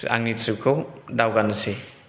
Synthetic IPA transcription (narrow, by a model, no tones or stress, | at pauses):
a̰ŋnitʰɾikʰowdawɡanɐsi